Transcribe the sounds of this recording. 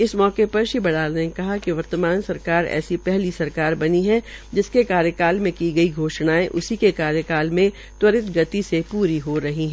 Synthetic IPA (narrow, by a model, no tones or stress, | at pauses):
ɪsmɔːkepɐɾʃibɐɽaːlnekɐɦakiʋɐɾt̪əmaːnsɐɾkaːɾɛ̰ːsipɛɦlisɐɾkaːɾbɐniɦɛ | d͡ʒɪskekaːɾjəkaːlmẽkiɡɐiɡʱoːʃnaːẽʔʊsikekaːɾjəkaːlmẽ | t̪wɐɾɪt̪ɡɐt̪isepuːɾiɦoɾɐɦiɦɛ̃